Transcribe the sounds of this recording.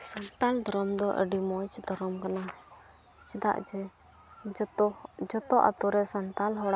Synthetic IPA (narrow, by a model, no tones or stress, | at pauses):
sant̪ald̪ʱɔɾɔmd̪ɔʔə̰ɖimɔjt͡ʃd̪ɔɾɔmkana | t͡ʃɛd̪a̰ʔd͡ʒɛ | d͡ʒɔt̪ɔʔa̰t̪uɾɛsant̪alɦɔɽaʔ